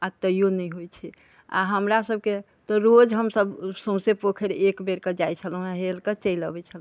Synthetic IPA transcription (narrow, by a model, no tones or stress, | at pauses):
at̪əjonəjɦojt͡ʃʰɛ | a̰ɦəmɾasəb̚ʱke | t̪ɔɾod͡ʒɦəmsəbsə̃w̃sepokʰəɾekbeɾkəd͡ʒajt͡ʃʰəlɦũɦɦelkət͡ʃəjləbɛt͡ʃʰəl̃